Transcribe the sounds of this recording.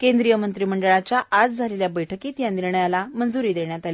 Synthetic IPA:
kẽnd̪ɾijəmənt̪ɾiːməɳɖəɭat͡ɕjaʔad͡zd͡zʱaleljabəjʈʰəkiːt̪jãniɾɳjalamənd͡zuɾiːd̪eɳjat̪aliː

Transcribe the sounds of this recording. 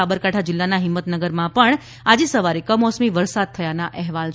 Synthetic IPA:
abəɾkaʈʰad͡ʒɪlːanaɦɪmːət̪nəɡəɾmãpəɳ | ad͡ʒesəʋaɾekəmɔsmiʋəɾsad̪̚t̪ʰəjanaʔɛɦʋal

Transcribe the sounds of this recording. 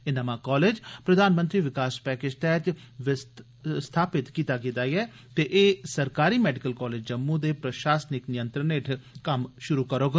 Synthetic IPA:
ɪnaːmãːkɔːleːd͡ʒpɾəd̪ʱaːnmə̃nt̪ɾiːʋɪkaːspɛːkɪd͡ʒt̪ɛːt͡ʃ | ʋɪ | st̪ʰaːpɪt̪kiːt̪aːɡɪt̪aːiɛː | t̪eːʔeːsəɾkaːɾiːmɛːɖɪkəlkɔːleːd͡ʒd͡ʒəmːud̪eːpɾəʃaːsənɪknɪjə̃nt̪ɾəneʈʰkəmʃʊɾuːkəɾoːɡa

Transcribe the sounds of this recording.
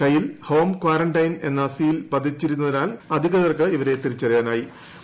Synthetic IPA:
kɐjːilho̞ːmkwaːrɐɳɖɐjne̞̰nːasiːilpɐd̪ʱːit͡ɕːiɾunːɐðinaːlɐd̪ʱiɣɐðɐrkɨiʋɐɾe̞t̪iɾit͡ɕːɐrijaːnaːji

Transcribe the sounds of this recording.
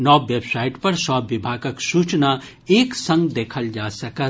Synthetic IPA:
nɔʋebsaiʈpəɾsɔːibʱaɡəksut͡ʃna | eksə̃ŋɡd̪ekʰəld͡ʒasəkə

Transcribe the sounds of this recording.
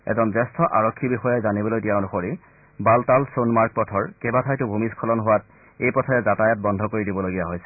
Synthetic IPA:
ɛ̰zɔnzɛstʰɔʔaɹɔkʰːibixɔjajzanibɔlojtijanuxoɹi | baltalsonmaɹk̚pɔtʰɔɹkebatʰajtʊbʱumiskʰɔlɔnɦʊwat̚ | ejpɔtʰɔɛzatajɔt̚bɔndʱɔkoɹidibɔloɡijaɦojsɛ̥

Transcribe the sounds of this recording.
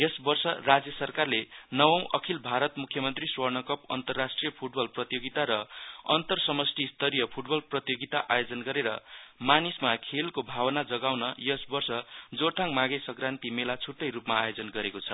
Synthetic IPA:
jʌsbʌrsʌrad͡zjʌsʌrkarlenʌwʌ̃w̃ʔʌkʰilbʱaɾʌt̪mukʰːjʌmʌnt̪riswʌrnʌkʌpʌ̰nt̪ʌrːasʈrijʌpʰuʈ̚bʌlprʌt̪joɡit̪aɾʌʌ̰nt̪ʌrsʌmʌsʈʰist̪ʌɾijʌpʰuʈ̚bʌlprʌt̪joɡit̪aʔajod͡zʌnɡʌɾeɾʌ̰manismakʰelkobʱawʌnad͡zʌɡawnʌjʌsbʌrsʌd͡zort̪ʰaŋmaɡesʌɡrant̪imelat͡sʰuʈːʌjɾupmaːjod͡zʌnɡʌɾekot͡sʰʌ̰

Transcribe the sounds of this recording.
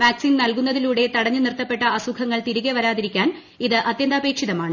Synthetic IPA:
ʋaːksinnɐlkunːɐðiluːɽe̞t̪ɐɽɐɲːunirt̪ɐpːe̞ʈːɐɐsukʰɐŋːɐɭt̪iɾuɣeʋɐɾaːðiɾikʲːaːn | iðɨʔɐt̪jɐnd̪ɐːbe̞ːkʂiðɐmaːɳɨ

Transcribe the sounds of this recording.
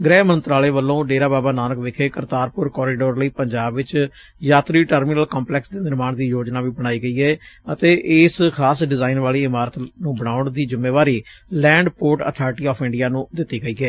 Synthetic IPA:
ɡɾɛːmə̃nt̪ɾaːleːʋəlːõːɖeːɾaːbaːbaːnaːnəkʋekʰeːkəɾt̪aːɾpʊɾkɔːɾiːɖoːɾləiːpəɲd͡ʒaːbʋɪt͡ʃ | jaːt̪ɾiːʈəɾmɪnəlkɔːmplɛːksd̪eːnɪɾmaːɳd̪iːjoːd͡ʒnaːʋiːbəɽ̃aːiːɡəiːɛːət̪eːʔɪːskʰaːsɖɪzaːinʋaːliːɪmaːɾət̪nũːbəɽ̃aːʊɳd̪iːd͡ʒɪmːeːʋaːɾiːlɛ̃ːɳɖpoːɾʈə̰t̪ʰaːɾʈiːɔːpʰɪ̃ɳɖijaːnũːd̪ɪt̪ːiːɡəiːɡɛː

